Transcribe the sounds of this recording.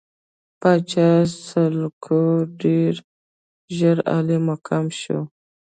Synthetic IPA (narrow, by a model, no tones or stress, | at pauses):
pat͡ʃasəlkʰoɖeɾ | ʒəɾa̰limakʰamʃo̰